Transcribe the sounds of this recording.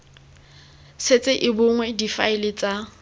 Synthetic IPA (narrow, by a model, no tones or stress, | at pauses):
set͡sʼɪʔɪbʊŋwɛdifaɪlɪt͡sʼa